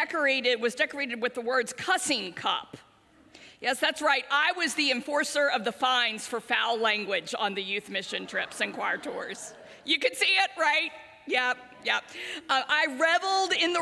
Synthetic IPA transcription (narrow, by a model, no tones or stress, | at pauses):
ɛkə˞eɪɾɪd̚wʌzdɛkə˞eɪɾɨd̚wɨðəwɜ˞dz̥kʰʌsɪ̃ŋkʰʌ̰p | jɛsðætsɹaɪtaɪwʌzðiɨ̃ɱfɔɹsə˞ʌvðəfãɪ̃nz̥fə˞faʊlæ̃ŋɡwɪd͡ʒ̃n̩ðɨjʉθmɪʃɨ̃ntʰɹ̥ɪpsɨ̃nkʰw̥ɑɹtʰɔ̰ɹz̥ | jɨkɨd̥siɪt̚ɹaɪt̚ | jæp̚ | jɛp̚ʔaɪɹɛvl̩ˠdɪ̃nðə